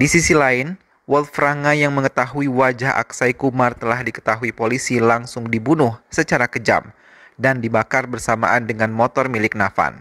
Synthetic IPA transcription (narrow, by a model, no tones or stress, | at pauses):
disisilaɪn | wɔlfɾaŋajaŋməŋət̪aɦuiwad͡ʒaɦa̰ksaikumart̪əlahdikə̥t̪aɦuipolisilaŋsʊŋdibunʊhsət͡ʃaɾakəd͡ʒa̰m | dandibakarbərsama̰ʔandəŋanmɔt̪ɔrmilɪk̚nafa̰n